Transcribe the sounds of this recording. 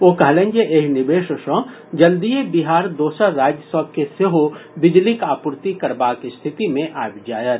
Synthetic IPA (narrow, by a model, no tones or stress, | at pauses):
oːkɐɦlẽːɲd͡ʒeʔeːɦnɪbeːʃəʃõː | d͡ʒɐld̪ijebiɦaːɾd̪oːsaɾaːd͡ʒjəsəb̚keseɦobɪd͡ʒlikaːpʊɾt̪ikɐɾbaːkst̪ʰɪt̪imẽʔaːbd͡ʒaːjət̪